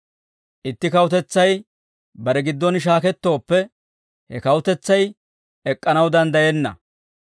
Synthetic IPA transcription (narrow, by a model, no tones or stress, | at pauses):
ʔɪt̪ːɪkɐwʊt̪ɛt͡sːɐj | bɐɾɛɡɪd̪ːɔnʃ̬aːkɛt̪ːo̞ːpːɛ | hɛkɐwʊt̪ɛt͡sːɐj | ɛkʼːɐnɐwd̪ɐnd̪ɐjɛnːɐ̰